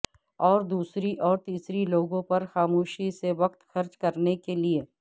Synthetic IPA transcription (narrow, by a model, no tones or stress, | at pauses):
ɔːɾd̪uːsɾiʔɔːɾt̪iːsɾiloːɡõpɐɾxaːmoːʃiseʋɐk̚t̪xɐɾt͡ʃkɐɾnekelie